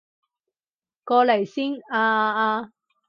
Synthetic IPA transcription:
kɔː˧le˨˩jsiː˥ŋaː˧aː˧

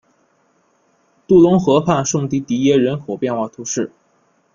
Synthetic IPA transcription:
t̪u˥˩lʊ˧˥ŋxɤ˧˥pʰa˥˧nʂɤ˥˧ŋt̪i˧˥˩t̪i˧˥jɛ˥ɻə˧˥nxɔ˨˩pjɛ˥˧nxwa˥˩t̪ʰu˧˥ʂɻ̩˥˩

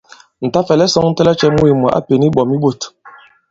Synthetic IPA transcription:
n̩˨ta˦fɛ˨lɛ˦sɔ˦ŋn̩˦tɛ˦lɛ˦t͡ʃɛ˦mu˦i˨mɔ˨ʔa̰˦pe˨ni˦ɓɔ˨mi˦ɓo˦˨t

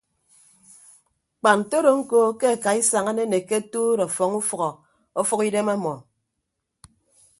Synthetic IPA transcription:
k͡pa˨n̩˨to˦ɾo˨ŋ̩˦ko˦ke˦a˨ka˨i˦sa˨ŋa˦ne˦ne˨ke˦tuː˦ɾɔ˨fɔ˨ŋu˦fɔ˨ɣɔ˨ | ɔ˦fu˦ki˦de˦ma˦mɔ˨

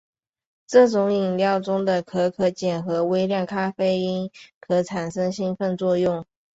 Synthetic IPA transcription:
ʈ͡ʂɤ˥˩ʈ͡ʂʊ˧˥ŋi˨˩ŋljɑ˥˩ʊʈ͡ʂʊ˥ŋd̪ə˨kʰɤ˧˥kʰɤ˧˥t͡ɕjɛ˨˩nxɤ˧˥we˥ɪljɑ˥˩nkʰa˥fe˥ɪi˥nkʰɤ˧˥ʈ͡ʂʰa˨˩nʂɤ˥ŋɕi˥nfə˥˧nt͡swɔ˥˧jʊ˥˩ŋ

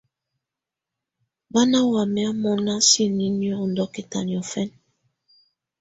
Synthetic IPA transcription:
ba˦na˦wa˨mɛ˦a˦mɔ˦na˦si˦˨ni˦njɔ˦˨n̩˨dɔ˦ke˨ta̰˨ni˨ɔ˨fɛ˦n

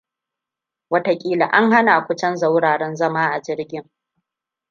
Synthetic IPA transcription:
wɐ˦ta˦kʲʼiː˦la˨ʔa˦ŋɦa˦na˨kʷʊ˦t͡ʃɐ˦nza˦wɽaː˨ɽɛ˦nzɐ˦maː˦ʔa˨d͡ʒɪ˦ɾɡʲɪ˦ŋ

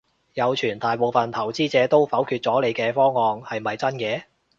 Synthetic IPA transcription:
jɐ˨˧wt͡ʃʰyː˨˩nt̪aː˨jpo˨wfɐ˨˩nt̪ʰɐ˨˩wt͡siː˥t͡sɛː˨˧t̪o˥wfɐ˨˥wkʰyː˧t̚t͡sɔː˨˥le˨˧jkɛː˧fɔː˥ŋːɔː˨ŋhɐ˨jmɐ˨jt͡sɐ˥nkɛː˧

